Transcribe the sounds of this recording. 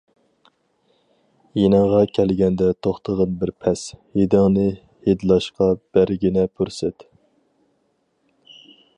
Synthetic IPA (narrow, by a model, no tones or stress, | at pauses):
jenɑŋʁɑkʲʰɛlɡʲɛnd̪ɛt̪ʰoχt̪ʰəʁɑnbɪɾpʰɛshed̪ɪŋnɨ | hed̪ɨlˠɑʃqɑb̥æɾɡʲinɛpʰyɾsɛt̪